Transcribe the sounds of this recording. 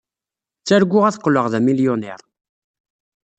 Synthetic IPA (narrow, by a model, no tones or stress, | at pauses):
t͡sːæɾɡʷːʊʁæθə̥qːləʁðæmiljonɛɾˤ